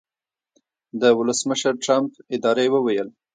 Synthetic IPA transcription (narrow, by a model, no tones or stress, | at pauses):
d̪əwʊləsməʃəɾʈɾampɪd̪ɑɾewəwajəl